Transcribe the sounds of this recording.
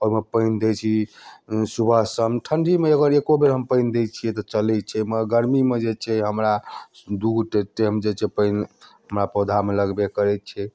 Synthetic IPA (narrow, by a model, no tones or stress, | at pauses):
ɔɾməpəɪnd̪et͡ʃʰi | subʱəsəmʈʰəɳɖʱimeəɡəɾekobeɾɦəmpəɪnd̪et͡ʃʰijɛt̪ɔt͡ʃəlɛt̪̚t͡ʃʰɛməɡəɾmimed͡ʒet͡ʃʰɛɦəmɾad̪uɡʈeteɦəmd͡ʒet͡ʃʰɛpəɪnɦəmɾapəd̪ʱameləɡbekəɾɛt̪̚t͡ʃʰɛ